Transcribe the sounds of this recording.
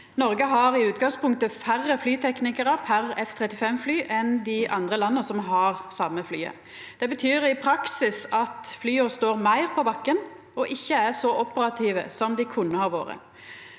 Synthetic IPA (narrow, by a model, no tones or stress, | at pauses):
nɔɾɡəɦɑɾɪʉːt̪ɡɑŋspʰʊŋkt̪əfærːəflyːt̪ʰɛknɪkəɾəpʰæɾɛft̪ʰʁɛt̪ːɪfɛmflyːʔɛnd̪ɪʔɑnd̪ʁəlɑnːəsɔmɦɑʁsɑmːəflyːə̰ | d̪̥ɛbət̪ʰyːɾɪpʰɾɑksɪsɑt̪flyːəst̪oːʁmæɪʁpʰɔbɑkːən | ɔʔɪçːəæsɔʔɔpəɾɑt̪ʰiːʋə̰sɔmd̪ɪkʰʊnːəhɑɾʋo̰ːɾə̰